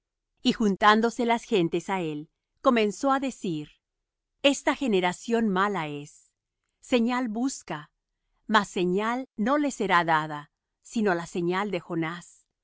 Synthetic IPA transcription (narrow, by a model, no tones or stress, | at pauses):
ixunt̪and̪o̞se̞lasxe̞nt̪e̞sae̞l | ko̞mẽ̞nso̞aðe̞siɾ | e̞st̪axe̞ne̞ɾasjo̞nmalae̞sː | e̞ɲalbuska | masːe̞ɲalno̞le̞se̞ɾaðaða | sinolase̞ɲald̪e̞xo̞nas